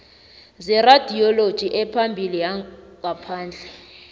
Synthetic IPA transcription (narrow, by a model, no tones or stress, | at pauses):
zɛrad̥ʱiɔlod̥ʒ̥ʱiʔɛpʰambʱilijaŋapʰaːnd͡ɮʱɛ